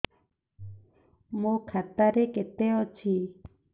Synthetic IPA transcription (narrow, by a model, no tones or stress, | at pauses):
mũkʰat̪aɾeket̪eɔt͡ʃʰi